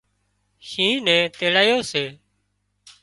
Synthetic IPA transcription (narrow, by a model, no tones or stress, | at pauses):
ʃĩːnɛ̃ːt̪eːlaːjoːseː